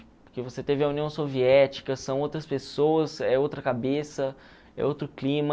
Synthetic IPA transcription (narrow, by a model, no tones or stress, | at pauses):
poɾkevoset̪evɪɐũniɐ̃w̃soviɛɛt͡ʃi̥kɐsɐ̃w̃owt̪ɾɐspesowɐsɛowt̪ɾɐkabesɐ | ɛ̰owt̪ɾʊklĩmɐ